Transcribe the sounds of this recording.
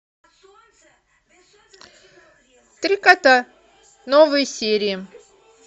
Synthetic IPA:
t̪ɾʲikat̪a | novɨjsʲeɾʲɪɪ

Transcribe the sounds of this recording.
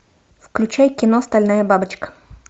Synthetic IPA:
fklʲʉt͡ɕæjkʲɪnoɐst̪ɐlʲnajəbabɨt͡ɕkə̥

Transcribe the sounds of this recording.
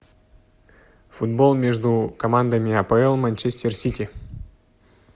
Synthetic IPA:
fʊd̪bolˠmʲeʐd̪ʊkɐmand̪əmʲɪɐpəɛlˠmɐnʲt͡ɕesʲtʲersʲitʲɪ

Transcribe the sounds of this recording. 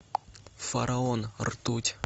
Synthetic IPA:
faɾʔaonrt̪ut̪ʲ

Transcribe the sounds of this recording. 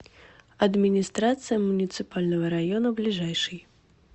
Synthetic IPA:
ɐd̪mʲinʲist̪ɾat̪sɨjɐmunʲit̪sɨpalʲnɐɣɐɾajɔnɐblʲiʐɛjʂɨj

